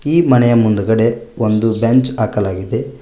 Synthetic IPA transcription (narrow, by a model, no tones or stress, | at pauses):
iːmɐnɛjɐmund̪uɡɐɽe̞ond̪ubent͡ʃaːkɐlaːɡid̪e̞